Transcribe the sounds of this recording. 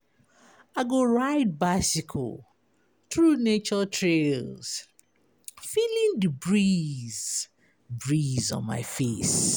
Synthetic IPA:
aɪɡoɹaɪd̚baɪsɪkʰo̰l | θɹunet͡ʃɔtʰɹelz̥ | filĩndəbɹiz̥ | bɹizɔ̰̃nma̰ɪfes

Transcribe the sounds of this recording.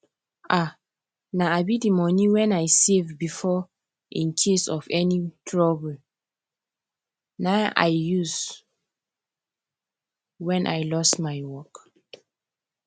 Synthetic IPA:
ʔa | naaɪbidimɔniwɛ̃najsevbifɔ | ĩnkʰesɔfɛnitʰɹɔbl | naʊʔa̰ɪjuz | wɛ̃nʔajlɔstmajwɔk

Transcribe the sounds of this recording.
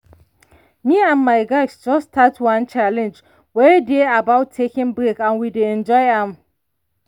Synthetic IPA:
miãnmajɡajsd͡ʒɔstʰatwãnt͡ʃalɛ̃nd͡ʒ | wɛdeabawtʰːekɪ̃ŋbɹekãnwideɛ̃nd͡ʒɔjɛ̃m

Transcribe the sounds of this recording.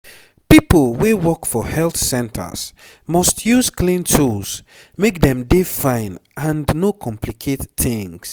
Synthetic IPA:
pipəlˠwewɜkfɔhɛlˠθsɛ̃ntʰə̰s | mʌstʰjuzkʰlĩntʰus | mek̚dɛ̃mdefãɪ̃nʔə̃nnokʰɔ̃mpʰlikʰetθɪ̃ŋs

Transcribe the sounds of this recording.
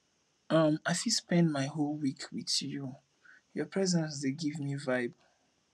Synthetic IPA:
amaɪfilspɛ̃ndmaɪɦolwikʰwiðju | jɔpʰɹɛzɛ̃nsdeɡivmivaɪb

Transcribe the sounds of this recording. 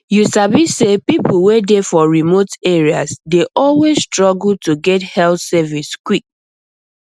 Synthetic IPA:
jusabisepip̩wedefɔɹimoteɹiasdeʔɔlwesstɹɔɡl̩tuɡɛthɛlθsɛviskwik̚

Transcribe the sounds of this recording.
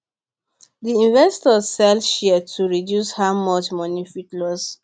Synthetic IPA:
diĩnvɛstɔzsɛlʃiətʰuɹidjushaʊmɔt͡ʃmɔnifitlɔs

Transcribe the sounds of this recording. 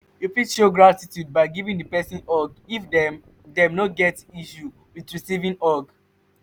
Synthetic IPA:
jufitʃoɡɹatitjud̚baɪɡivĩŋdəpɛsĩnɔɡifdɛm | dɛ̃mnɔtɡɛtiʃu | widɹisivĩŋɔɡ

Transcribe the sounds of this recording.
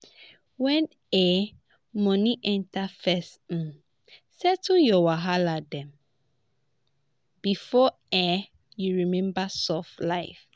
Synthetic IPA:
wɛ̃n | ɛ | mɔ̃niʔɛ̃ntafɛst̩ | sɛtuljɔwaɦaladɛ̃m | bifɔ | ɛ | juɹimɛ̃mbasɔflaɪf

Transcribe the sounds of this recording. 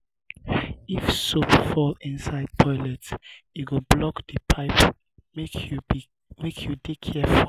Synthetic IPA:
ifsopfɔlĩnsaɪd̚pʰɔɪlɛtiɡəblɔkdəpʰaɪp | me | mekʰjudekʰɛfu

